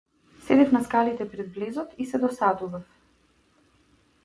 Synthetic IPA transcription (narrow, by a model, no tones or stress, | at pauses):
sɛd̪ɛfnaskalit̪ɛpɾɛd̪blɛzɔt̪isɛd̪ɔsad̪uvaf